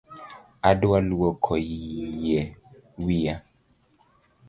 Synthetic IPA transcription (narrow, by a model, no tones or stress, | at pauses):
adualuwɔkʰɔijɛwija